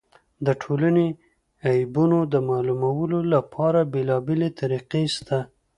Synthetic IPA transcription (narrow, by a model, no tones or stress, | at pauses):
d̪əʈʰolane | ajbunod̪əmɑlumawəlolapʰɑɾabelɑbelet̪ʰaɾiqest̪a